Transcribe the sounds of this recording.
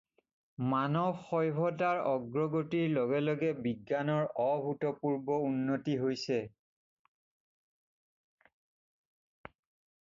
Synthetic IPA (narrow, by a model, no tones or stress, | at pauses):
manɔxɔjbʱɔtaɹɔɡɹɔɡotiɹlɔɡɛlɔɡɛbiɡːanɔɹɔbʱutɔpuɹbɔunːotiɦojsɛ